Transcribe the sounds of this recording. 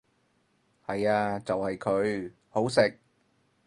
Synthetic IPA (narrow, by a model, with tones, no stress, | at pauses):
hɐ˨jaː˧t͡sɐ˨whɐ˨jkʰɵ˨˧ɥ | ho˨˥wsɪ˨k̚